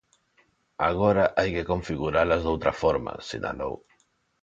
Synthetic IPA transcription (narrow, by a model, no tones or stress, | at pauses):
aɣ̞oɾaʔajkekoɱfiɣuɾalazðowt̪ɾafɔɾma̰sina̰lo̰w